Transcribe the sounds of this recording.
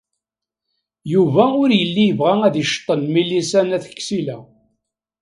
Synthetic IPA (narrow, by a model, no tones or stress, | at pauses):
juvæʊɾjəlːijəvʁææðiʃt̪ˤːənmilːisænæθə̥kːsilæ